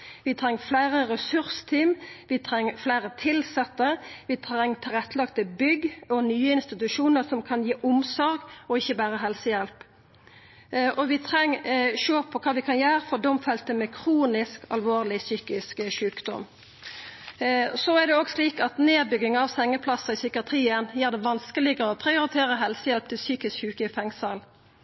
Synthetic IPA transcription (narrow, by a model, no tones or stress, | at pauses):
ʋɪt̪ʰɾɛŋːflæɪʁəɾɛsʉɾst̪ʰiːmʋɪt̪ʰɾɛŋːflæɪɾət̪ʰɪlsɛt̪ːəʋɪt̪ʰɾɛŋːt̪ʰɪlʁɛt̪ːəlɑkt̪əbʏɡɔnyːəɪnst̪ɪt̪ʉʂuːnəʁsɔmkʰɑnjiːʔʊmsɔɾɡɔɪçəbæːɾəɦɛlsəjɛlp | ʔɔʋɪt̪ʰɾɛŋːʃøːpʰːɔkʰɑːʋɪkʰɑnjæːɾfɔd̪ɔmfɛlt̪əmɛkʰʁuːnɪskɑ̰lʋoːʁlɪsyːkɪskʃʉːkd̪ɔ̰m | sɔæd̪ɛoːɡsliːkɑt̪neːbʏɡɪŋɑʋsɛŋːəpʰlɑsəɪsʏkɪɑt̪ʰʁiːənjæːʁd̪ɛʋɑnskəlɪɡəɔpʰɾɪʊɾɪt̪ʰeːɾəɦɛlsəjɛlp̚t̪ʰɪlsyːkɪskhʉːkəfɛŋsəl